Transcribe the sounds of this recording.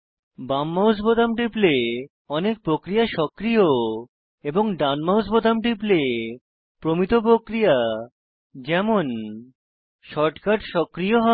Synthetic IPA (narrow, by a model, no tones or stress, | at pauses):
bamːawsbot̪amʈiple | ɔnek̚pɾokɾijaʃɔkɾijo | eboŋɖanmawsbod̪amʈiple | pɾomit̪op̬ɾokɾija | d͡ʑɛmon | ʃɔɾʈkaʈʃɔkɾijoɦɔ